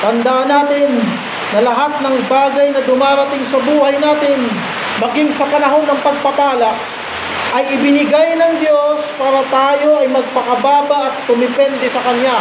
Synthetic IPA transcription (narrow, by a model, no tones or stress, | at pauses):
t̪ɐnd̪aʔɐnaːt̪ɪnː | ɐlɐɦat̪̚nɐŋbaːɡɐjnɐd̪ʊmaːɾɐt̪ɪŋsɐbuːhɐjnaːt̪ɪn | mɐɡiŋsɐpɐnɐɦo̞nːɐŋpɐɡ̚pɐpaːlɐʔ | ʔɐjɪbɪnɪɡajnɐŋd̪jo̞spaːɾɐt̪aːjo̞ʔɐjmɐɡ̚pɐkɐbaːbɐʔɐt̪̚ːʊmɪpɛnd̪ɛsɐkɐnja